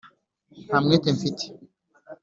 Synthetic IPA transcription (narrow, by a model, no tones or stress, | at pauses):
hamŋetefiti̥